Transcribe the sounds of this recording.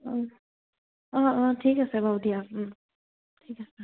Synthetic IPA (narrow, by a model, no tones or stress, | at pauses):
ɔ | ɔ̃ɔtʰikasɛbʱawdia | ttʰikasɛ